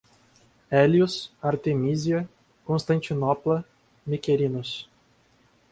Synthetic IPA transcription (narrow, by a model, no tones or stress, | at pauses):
ɛlʲjusaɾt̪emʲizjɐ | kõnst̪ɐnʲt͡ʃinɔplˠɐ | mʲikʲeɾʲinʊs